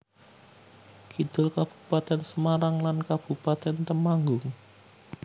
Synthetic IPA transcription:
ɡ̥id̪̥ʊlkab̥ṳ̥pat̪ɛnsəmaɾaŋlankab̥ṳpat̪ɛnt̪əmaŋɡʊŋ

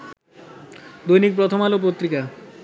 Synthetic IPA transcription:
d̪ojnik̚pɾot̪ʰomalop̬ot̪ːɾika

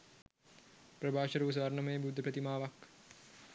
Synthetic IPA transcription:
prəbaːʃɐɾuːus̬ʋaɾnɐməjebud̪ʱːəpɾət̪imaːʋak

